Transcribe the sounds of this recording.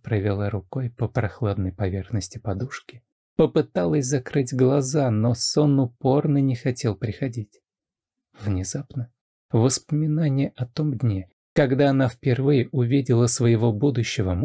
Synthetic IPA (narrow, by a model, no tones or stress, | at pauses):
pɾəvʲɪlˠaɾʊko̞jpəpɾɐxlˠad̪nəjpɐvʲe̞rxnəsʲtʲɪpɐd̪uʂkʲɪ̥ | pəpɨt̪alˠəsʲzɐkɾɨtʲɡlˠɐzano̞sonʊpo̞rnɨnʲɪxɐtʲe̞lˠpɾʲɪxɐdʲitʲ | vnʲɪzapnə | vəspəmʲɪnanʲɪjəɐt̪o̞mdʲnʲe | kɐɡd̪aɐnafpʲɪrvɨjɪʔʊvʲidʲɪlˠəsvəjɪvo̞bud̪ʊɕːɪvəm